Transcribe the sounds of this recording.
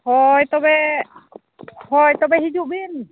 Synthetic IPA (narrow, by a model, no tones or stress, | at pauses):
hɔjt̪ɔbɛ | hɔjt̪ɔbɛɦid͡ʒuʔbin